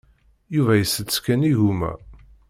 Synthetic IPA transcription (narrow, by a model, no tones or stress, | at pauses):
juvæjəsːət̪skæniʝumæ̰